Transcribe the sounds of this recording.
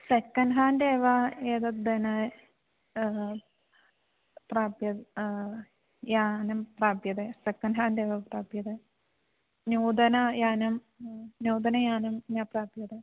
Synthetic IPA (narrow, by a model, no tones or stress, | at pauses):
sekːɐnɖɦaːndeːʋɐeːðɐd̪ɐnɨ | praːbjɐð | jaːnɐmpraːbjɐðɨsekːɐnɖɦaːnd̪eːʋɐpraːbjɐðɨ | nuːd̪ɐnɐjaːnɐm | ɲuːd̪ɐnɐjaːnɐmɲaːpraːbjɐðɨ